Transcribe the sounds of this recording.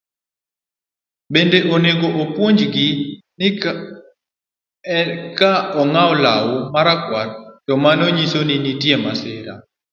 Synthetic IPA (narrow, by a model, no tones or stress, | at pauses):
bendeʔoneɡoʔopwoɲd͡ʒɡɪ | n | kaɔŋaɔlawɔmaɾakwartɔmanoɲisoninitiɛmaseɾa̰